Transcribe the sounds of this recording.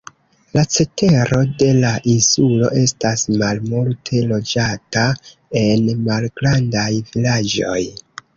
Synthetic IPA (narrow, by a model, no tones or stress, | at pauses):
lat͡se̞te̞ɾo̞de̞laʔinsulo̞̰ʔe̞stasmalmultʰe̞lo̞d͡ʒata | e̞nmalɡɾandajvilad͡ʒo̞̰j